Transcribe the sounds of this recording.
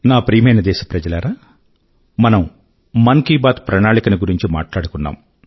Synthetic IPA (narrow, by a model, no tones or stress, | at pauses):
naːpɾiːmɐjnɐd̪ɛːʃɐ̥pɾɐd͡ʒɐlaːɾaː | mɐnɐmː | ɐŋkiːbaːt̪pɾɐnaːɭikɐniɡuɾiɲt͡ʃima̰ːʈlaːɽukunːa̰ːm